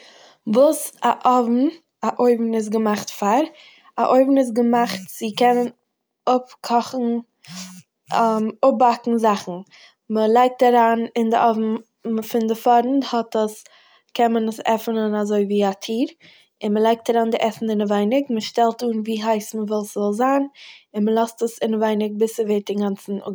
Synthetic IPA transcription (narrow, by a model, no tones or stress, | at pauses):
vuːsaʔɔvm̩ | aʔoɪbm̩ɪs̬ɡəmaχtfaɾ | aʔoɪbn̩ɪs̬ɡəmaχtt͡sɪkɛnən | ʊpkʰɔχn̩ | ɛmʊp̚bakŋ̩zaχn̩ | məlˠaɪk̚taɾaːnɪndɪʔɔvm̩ | fɪndɪfɔɾn̩thɔtəs | kʰɛnmənəsɛ̰fnənazoɪviːatʰiːɾ | ɪnməlˠaɪk̚taɾaːndɪʔɛsn̩dɪnəvaɪnɪkməʃtɛlˠtuːnviːɦaɪsməvɪlˠsvɪlˠzaːnɪnməlˠɔstəsɪnəvaɪnɪɡ̚bɪsəveːɾ̚dɪŋɡant͡sn̩ʊ̰